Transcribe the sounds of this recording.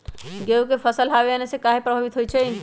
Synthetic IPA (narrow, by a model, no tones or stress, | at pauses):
ɡewkepʰəsəlɦabeənesẽkaɦepɾəbʱəbit̪ɦojt͡ʃʰɛ